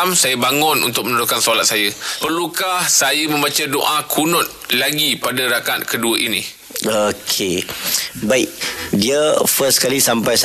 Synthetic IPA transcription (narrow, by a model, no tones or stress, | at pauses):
msajəbaŋʊnṵnt̪ʊk̚mənudʊkansolat̪̚sajəpərlukahsajəmə̃mbat͡ʃado̰ʔakʰunʊt̪̚laɡipadaɾakat̪̚kəduəʔinĩ | okʰe | baiʔ̚diəfəskalisampajs